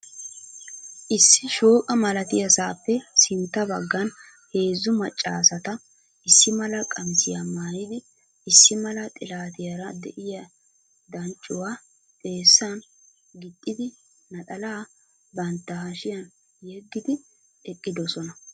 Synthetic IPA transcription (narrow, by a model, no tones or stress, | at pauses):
ʔɪsːɪʃo̞ːkʼɐmɐlɐt̪ɪjɐsaːpːɛsɪnt̪ːɐbɐɡːɐn | he̞ːzːʊmɐt͡ʃʼːa̰ːsɐt̪ɐ | ɪsːɪmɐlɐkʼɐmsɪjɐmaːjɪd̪ɪ | ɪsːɪmɐlɐt̪ʼɪlaːt̪ɪjɐɾɐd̪ɛʔɪjɐ | d̪ɐnt͡ʃʼːʊwaː | t̪ʼe̞ːsːan | ɡɪt̪ʼːɪd̪ɪ | nɐt̪ʼɐlaː | bɐnt̪ːɐhɐʃɪjɐn | jɛɡːɪd̪ɪ | ɛkʼːɪd̪ɔsɔnɐ